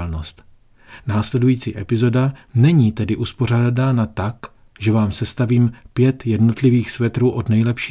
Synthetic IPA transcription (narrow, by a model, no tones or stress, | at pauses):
lnost̪ | naːslɛdujiːt͡sḭːʔɛpɪzo̞danɛɲiːt̪ɛdɪʔuspo̞r̝aːdadaːnat̪ak | ʒɛvaːmsɛst̪aviːmpjɛt̪jɛdno̞t̪lɪviːxsvɛt̪ɾuːʔo̞dnɛjlɛpʃiː